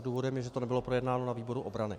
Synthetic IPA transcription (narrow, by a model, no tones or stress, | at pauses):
duːvo̞dɛmjɛʒɛt̪onɛbɪlo̞pɾo̞jɛdnaːno̞naviːbo̞ɾuʔobɾanɪ